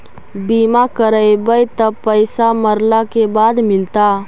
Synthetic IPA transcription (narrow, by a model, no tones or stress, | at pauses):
biːmakəɾəebəjt̪ɐpəɪsaməɾlakebaːd̪mɪlt̪a